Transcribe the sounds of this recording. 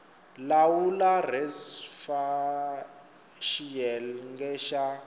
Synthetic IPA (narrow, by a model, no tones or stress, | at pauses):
lawularɛsfa | ʃiɛlŋɡɛʃa